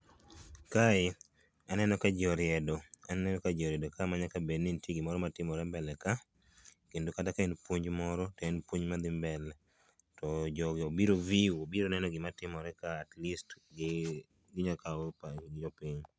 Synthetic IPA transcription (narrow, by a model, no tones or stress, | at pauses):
kaɪ | anɛnɔkad͡ʒɔɾɪɛdɔanɛnɔkad͡ʒɔɾjɛdɔkamaɲakabednintjeɡɪmɔɾɔmatɪmɔɾɛmbɛlɛka | kendokatakaenpwoɲd͡ʒmɔɾɔtenpwoɲmad̪ɪmbɛlɛ | tɔd͡ʒɔɡobiɾoviuobiɾonɛnɔɡɪmatɪmɔɾɛkaːtlistɡ | ɡɪɲakaoɾpad͡ʒɔpiɲ